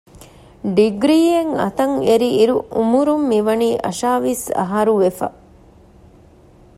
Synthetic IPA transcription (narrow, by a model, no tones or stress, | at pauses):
ɖiɡɾiːeŋɐ̰t̪ɐŋeɾiːɾuumuɾumːiʋɐniːʔɐ̰ʃaːʋisɐ̰ɦɐɾuʋefɐ̰